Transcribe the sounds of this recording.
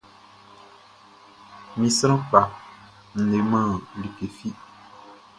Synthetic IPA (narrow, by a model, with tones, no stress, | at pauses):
mi˨sɾə̃˦k͡pa˨ | n̩˦ne˨˦mã˦˨li˨ke˨fi˦ʔ